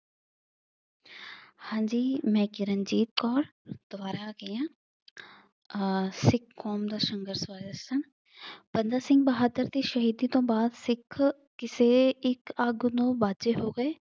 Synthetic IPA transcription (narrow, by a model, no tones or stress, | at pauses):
hãːɲd͡ʒiːmɛ̃ːkɪɾənd͡ʒiːt̪̚kɔːɾd̪̥ʊbaːɾaːɡəjãː | sɪkʰːɔːmd̪aːʃəŋɡəɾswaːdəsən | bənd̪aːsɪ̃ŋɡ̚bəɦaːd̪əɾt̪iːʃəɦiːd̪iːt̪õːbaːd̪sɪkʰ | kɪseːɪkəɡnõːbaːd͡ʒeːɦoːɡəeː